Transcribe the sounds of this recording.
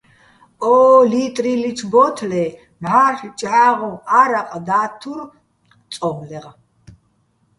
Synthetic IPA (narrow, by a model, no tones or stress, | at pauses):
ɔːlit̪ʼɾilitʰbɔt̪ʰlɛ | maχt͡ʃʼaːʁɔaɾaqʼd̪aːt̪ʰuɾ | tt͡s̪ʼɔmlɛʁ